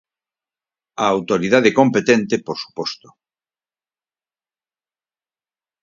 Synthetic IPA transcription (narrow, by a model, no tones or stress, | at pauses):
aːwt̪oɾiðaðekompet̪ent̪epoɾsu̥pɔst̪o̥